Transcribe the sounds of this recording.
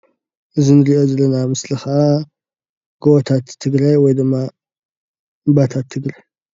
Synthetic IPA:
ʔɨzinɨɾio̞zɐlɐnamɨslɨxɐʔa | ɡ̥owɔt̪ʰat̪ʰːɨɡɾajwɔjd̪ɨmːa | bat̪ʰat̪ʰːɨɡɾaj

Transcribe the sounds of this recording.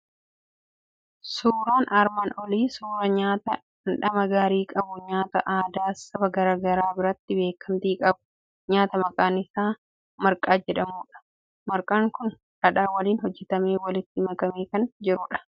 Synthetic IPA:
suːɾaːnʔɐɾmanɔliːsuːɾɐɲaːt̪ɐ | ɪnᶑɐmɐɡaːɾiːkʼɐbʊɲaːt̪ɐ̰ʔaːd̪aːsɐbɐɡɐɾaːɡɐɾaːbɪɾɐt̪ːɪbe̞ːkʰːɐmt̪iːkʼɐbʊ̥ | ɲaːt̪ɐmɐkʼaːnɪsaː | mɐɾkʼaːd͡ʒɛᶑɐmuːᶑɐ̥ | mɐɾkʼaːŋkʊn | ɐᶑaːwɐliːnhɔd͡ʒːɛt̪ɐmeːwɐlɪt̪ːɪmɐkʼɐmeːkɐnd͡ʒɪɾʊᶑɐ̥

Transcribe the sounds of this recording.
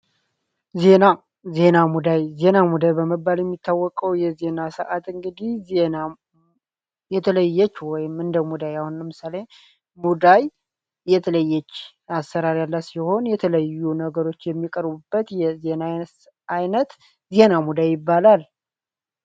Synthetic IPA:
ze̞na | ze̞namud̪ajze̞namud̪ajbəməbːaljɛmːit̪ːawːɔkʼəwjɛze̞nasə̰ʔat̪ɨŋɡɨd̪ihzena | jɛt̪ʰələjːɛt͡ʃːwɔjɪmɨnd̪əmud̪ajahunləmɨsale | mud̪ajː | ɛt̪ʰələjːɛt͡ʃː | asəɾaɾjalːasiho̞njɛt̪ʰələjːunəɡəɾo̞t͡ʃːjɛmːikʼəɾbubːət̪jɛze̞na | ajnət̪ | ze̞namud̪ajɪbːalal

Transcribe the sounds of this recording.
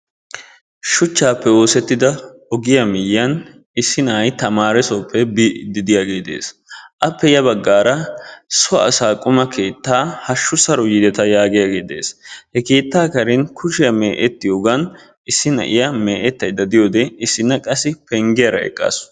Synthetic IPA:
ʃʊt͡ʃːaːpːɛwo̞ːsɛt̪ːɪd̪ɐɔɡɪjɐmɪjːɐn | ɪsːɪnaːjt̪ɐmaːɾɛsopʰːɛbid̪ɪd̪ɪjaɡeːd̪e̞̰ːsʔɐpːɛjɐbɐɡːaːɾɐsɔɐ̰ːsaːkʼʊmɐkʰe̞ːt̪ːaːhɐʃːʊsɐɾɔjɪd̪ɛt̪ɐjaːɡɪjaɡeːd̪e̞̰ːshɛke̞ːt̪ːaːkɐɾɪnkʰʊʃɪjɐmeːʔɛt̪ːɪjoːɡɐn | ɪsːɪnɐ̰ʔɪjɐme̞ːʔɛt̪ːɐjd̪ɐd̪ɪjoːd̪ɛɪsːɪnːɐkʼɐsːɪpɛŋɡɪjɐɾɐ̰ɛ̰kʼːa̰s

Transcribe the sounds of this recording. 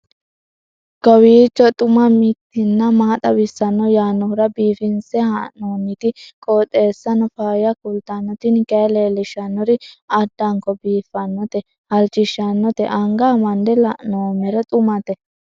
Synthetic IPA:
ɡ̥ɔwiːt͡ʃːɔt̪ʼʊmɐmɪt̪ːɪnːɐmaːt̪ʼɐbɪsːɐnːɔjaːnːɔhɾɐbiːfɪnsɛhɐnoːmit̪ɪkʼoːt̪ʼe̞ːsːɐnɔfaːjɐkʊlt̪ɐnːɔt̪ɪnkɐleːlɪʃɐnːɔɾɪɐd̪ːɐŋkɔbiːfːɐnːɔt̪ɛ | hɐlt͡ʃːɪʃːɐnːɔt̪ɛ̰ʔɐŋɡaːmɐnd̪ɛlɐ̰ʔnoːmɛɾɛt̪ʼʊmɐt̪ɛ

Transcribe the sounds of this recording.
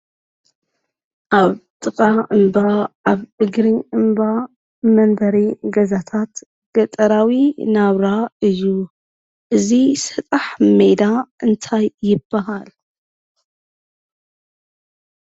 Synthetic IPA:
ʔaβt̪ʼɨkʼaɨmbaʔaβʔɨɡɾiʔɨmba | mɐnd̪ɐɾiɡɐzat̪ʰat̪ | ɡ̥ɐt̪ʼɐɾawinaβɾaɨjːu | ʔɨzisɐt̪ʼaħmed̪aʔɨnt̪ʰajːɪbːaɦal

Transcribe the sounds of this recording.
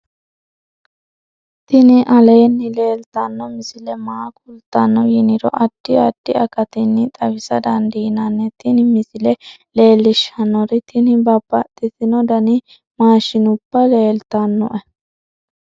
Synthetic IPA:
t̪ɪnɪʔɐleːnːɪle̞ːlt̪ɐnːɔmɪsɪlɛmaːkʼʊlt̪ːɐnːɔjɪnɪɾɔ̰ʔɐd̪̥ːɪɐd̪̥ːɪɐkɐt̪ɪnːɪt̪ʼɐbɪsɐd̪ɐnd̪iːnɐnːɛt̪ɪnɪmɪsɪlɛle̞ːlːɪʃɐnːɔɾɪt̪ʰɪnɪbɐbːɐt̪ʼːɪt̪ɪnɔd̪ɐnɪ | maːʃɪnʊb̥ːɐle̞ːlt̪ɐnːɔ̰ʔɛ

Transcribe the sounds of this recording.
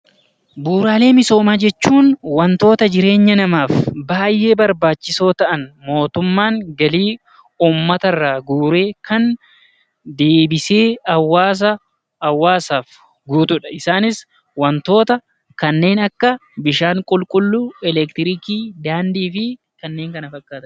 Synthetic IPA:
buːɾaːle̞ːmɪso̞ːmaːd͡ʒɛt͡ʃːuːnwɐnt̪o̞ːt̪ɐd͡ʒɪɾe̞ːɲːɐnɐmaːfbaːjːʔe̞ːbɐɾbaːt͡ʃːɪso̞ːt̪ɐʔɐnmo̞ːt̪ʊmːaːŋɡɐliː | uːmːɐt̪ɐrːaːɡuːɾe̞ːkʰɐn | d̪e̞ːbɪse̞ːɐwːaːs̬ɐ | ɐwːaːsaːf | ɡuːt̪ʊᶑɐɪsaːnɪs | wɐnt̪o̞ːt̪ɐ | kɐnːe̞ːnɐkːɐbɪʃaːŋkʼʊlkʼʊlːuɛlɛkt̪ɪɾɪkiːd̪aːnd̪iːfɪ | kɐnːe̞ːŋkɐnɐfɐkʼːaːt̪ɐ

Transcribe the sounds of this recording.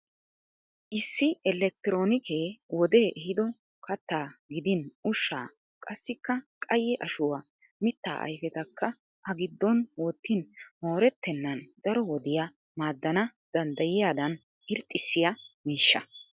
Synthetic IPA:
ʔɪsːɪɛlɛk̚t̪ɪɾo̞ːnɪke̞ːwɔd̪e̞ːʔɛhɪd̪ɔ | kɐt̪ːaːɡɪd̪ɪnʔʊʃːa̰ː | kʼɐsːɪkːɐkʼɐjːɛʔɐʃʊwa | mɪt̪ːa̰ːʔɐ̰jfɛt̪ɐkːɐ | ʔɐɡɪd̪ːɔnwɔt̪ːɪnmo̞ːɾɛt̪ːɛnːɐnd̪̥ɐɾɔwɔd̪ɪja | maːd̪ːɐnɐd̪̥ɐnd̪ɐjɪjaːd̪ɐn | ɪɾt̪ʼːɪsːɪjɐmiːʃːɐ̰

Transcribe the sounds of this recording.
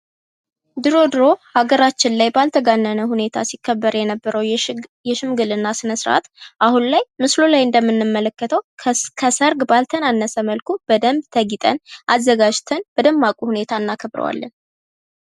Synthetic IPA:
d̪ɨɾo̞d̪ɨɾo̞haɡəɾat͡ʃːɪnlajbalt̪ʰəɡanːənəhune̞t̪ʰasikʰːəbːəɾjɛnəbːəɾəwjɛʃɨmɡɨlɨnːasɨnəsɾʔa̰t̪ʔahunlajmɨslulajɨnd̪əmːɨnːɨmːələkːət̪ʰəwkʰəsəɾɡbalt̪ʰənanːəsəməlkʰub̥əd̪əmbt̪ʰəɡit̪ʼə̰nʔazːəɡad͡ʒt̪ʰənb̥əd̪əmːakʼuhune̞t̪ʰaɨnːakʰəbɾə̰wa̰lːən

